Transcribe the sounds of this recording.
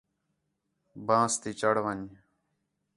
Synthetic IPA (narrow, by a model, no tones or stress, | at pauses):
bãːst̪iːt͡ʃəɽʋəɲ